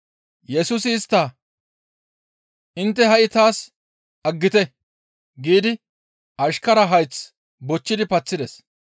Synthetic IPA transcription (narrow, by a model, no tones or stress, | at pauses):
jɛsuːsɪːst̪ːɐ | ʔɪnt̪ːɛɦɐʔɪt̪aːs | ɐɡːɪt̪ɛ | ɡiːd̪ɪ | ɐʃkɐɾɐɦɐjt͡s | bɔt͡ʃːɪd̪ɪpɐt͡sːɪd̪ɛs